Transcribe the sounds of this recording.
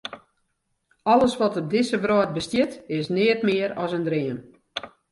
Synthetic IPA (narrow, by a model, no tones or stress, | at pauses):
ɔləsʋɔtɔp̚dɪsəbrɔːt̚bəstjɪtɪsnɪətmɪəɾɔsəndriəm